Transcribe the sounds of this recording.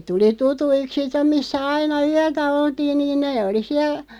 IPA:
tuli tutuik sitːem̆ misːæ ɑinɑ yætæ oltiːn niːn neː oli siæl

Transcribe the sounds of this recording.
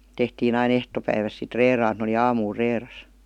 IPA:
tehtiːn ɑin ehtopæiʋæs sit reːrɑːn et n oli ɑːmuːl reːrɑs

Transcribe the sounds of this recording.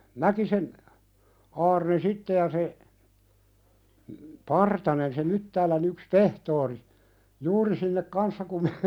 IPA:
mækisen ɑːrne sitːe jɑ se pɑrtɑnen se mytːæːlæn yks pehtoːri juːri sinːek kɑnsːɑ kum me

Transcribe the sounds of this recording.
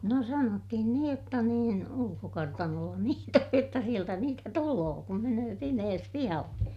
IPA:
no sɑnotːihin niːj jotːɑ niːn ulukokɑrtɑnolːɑ niːt oj jotːɑ sieltæ niːtæ tuloː kum menøː pimeːs pihɑlːe

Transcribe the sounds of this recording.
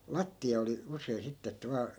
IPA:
lɑtːiɑ oli usei sitːe etːæ ʋɑː

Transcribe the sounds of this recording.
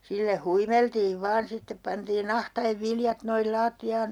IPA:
silːæ huimeltiːʋ ʋɑːn sitːep pɑntiːn ɑhtɑeʋ ʋiljɑt noil lɑːtːiɑːn

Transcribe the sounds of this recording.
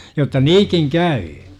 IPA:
jotːɑ niːkiŋ kæyː

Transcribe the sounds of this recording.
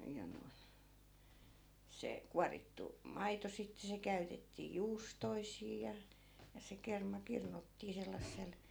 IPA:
jɑ noi̯n̞ se kuɑritːu mɑito sitːe se kæytetːiː juːstoisiː jɑ jɑ se kermɑ kirnutːiː selːɑsːel

